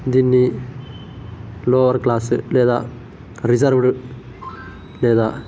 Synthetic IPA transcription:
d̪inːi | loːʋɐɾklaːsɨleːd̪a̰ː | ɾizɐɾʋʈɨ | leːd̪aː

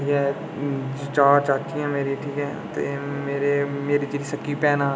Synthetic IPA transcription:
ɦɛː | t͡ʃaːɾt͡ʃaːt͡ʃijãːmeːɾiʈʰiːkɦɛːt̪ḛmeːɾemeːɾiːt͡ʃɾiːsəkːiːpɛːnãː

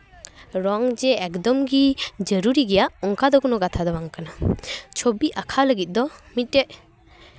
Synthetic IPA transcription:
ɾɔŋd͡ʒeɛkdɔmɡid͡ʒəɾuɾiɡijaɔŋkʰadɔɡɔnɔɡatʰadɔbaŋkʰanat͡ʃʰobiʔakʰaləɡit̚dɔmit̚ːeʔ

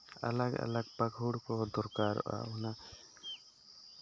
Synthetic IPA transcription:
a̰laɡa̰laɡ̚paɡʱuɽkɔd̪ɔɾkaɾ̰ʔa̰una

